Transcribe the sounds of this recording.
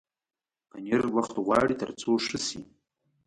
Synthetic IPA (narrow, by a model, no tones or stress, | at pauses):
a̰nɪrlaχtʁʷa̰ritʰa̰rt͡sʰʼoʂɨsḭ